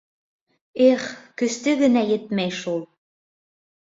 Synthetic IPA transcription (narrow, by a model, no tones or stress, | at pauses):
eχkɵ̆st̪ɘɣɘ̆næjɘ̆t̪̚mæjʃulˠ